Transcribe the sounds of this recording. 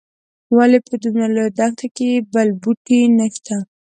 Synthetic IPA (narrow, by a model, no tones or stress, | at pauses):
walepəd̪umjalojd̪ɑxt̪ʰakebalbuʈinəʃt̪a